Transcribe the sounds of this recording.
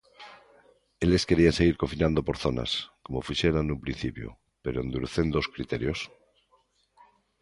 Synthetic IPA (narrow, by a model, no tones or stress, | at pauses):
e̞le̞ske̞ɾianse̞ɣ̞iɾko̞finãnd̪opo̞ɾθo̞na̰sko̞mofuʃe̞ɾanumpɾin̟θipjo̰ | pe̞ɾoend̪uɾuθe̞nd̪oskɾit̪e̞ɾjos